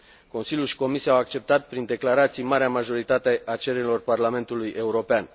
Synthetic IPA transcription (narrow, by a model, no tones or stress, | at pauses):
ko̞nsilʲjulʃi̥ko̞misieawak̚t͡ʃe̞p̚t̪at̪̚pɾind̪e̞klaɾat̪sijmaɾeamaʒo̞ɾit̪at̪e̞ʔat͡ʃe̞ɾeɾilo̞rparlame̞nt̪ulujʔe̞uɾo̞pean